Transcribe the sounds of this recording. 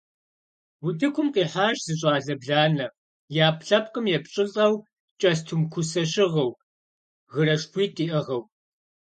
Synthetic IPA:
wʊtʰɨkʷʰʊmqiːħaːʒz̥ɨɕʼaːɮɐbɮaːnɐ | jaːpʰɬɐp̚kʼɨmjɛpɕʼɪɬʼɐw | t͡ʃʼɐstʰumkʷʰʊsɐɕɪʁɐw | ɣɨɾɐʂpʰiːtʼiːʔɐʁɐw

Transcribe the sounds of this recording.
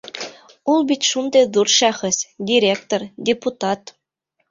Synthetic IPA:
ulˠbʲit̪ʲʃund̪eðurʃɑχɤ̆sʲdʲiɾʲekt̪ordʲeput̪ɑt̪

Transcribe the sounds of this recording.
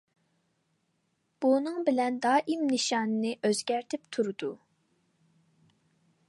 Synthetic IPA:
b̥unɨŋbɪlɛnd̪ɑːʔimnɨʃɑːnɨnɨʔøzɡʲæɾt̪ʰɪpt̪ʰuɾɨd̪u

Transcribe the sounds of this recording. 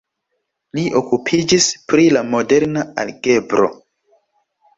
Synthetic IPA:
liʔo̞kupʰid͡ʒispɾilamo̞deɾnaa̰lɡe̞bɾo̞̰

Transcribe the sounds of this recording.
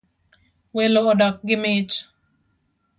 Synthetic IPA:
weloːdɔk̚ɡɪmet͡ʃ

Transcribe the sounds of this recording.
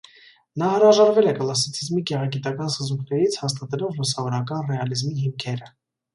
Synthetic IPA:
nɑhəɾɑʒɑɾvɛlɛkəlɑs̬it͡sʰizmiɡɛʁɑɡit̪ɑkɑnsəzuŋkʰnɛɾit͡sʰhɑst̪ɑt̪ɛlɔvlusɑvɔɾɑkɑnrɛɑlizmiɦimkʰɛɾə

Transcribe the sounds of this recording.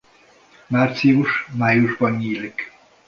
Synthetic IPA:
maːrt̪siuʃmaːjuʒbɒnːiːlik

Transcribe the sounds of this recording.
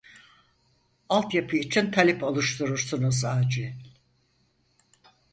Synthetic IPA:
alˠt̪japʰɯit͡ʃʰint̪ʰalʲɛpʰolˠuʃt̪ʰuɾuɾsunuzaːd͡ʒi

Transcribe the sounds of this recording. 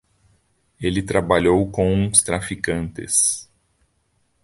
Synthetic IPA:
elɪt̪ɾabaʎowkõw̃ũst̪ɾafikɐ̃nt̪ɪ̰s

